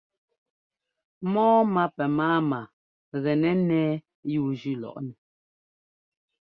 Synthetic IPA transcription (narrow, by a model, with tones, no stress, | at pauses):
mɔː˦ma˦pɛ˨maː˦ma˨ | ɣɛ˨nɛ˦nɛː˦ | juː˦˨d͡ʒʉ˦lɔ̰˨ʔnɛ˨